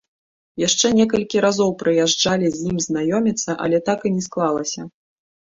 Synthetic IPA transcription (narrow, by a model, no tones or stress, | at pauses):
jaʂt͡ʂɛnʲɛkɐlʲkʲiɾazɔwpɾɨjaʐd͡ʐalʲizʲjimznajɔmʲit̪sːɐʔɐ̰lʲɛt̪akɨnʲɛsklˠalˠɐsʲɐ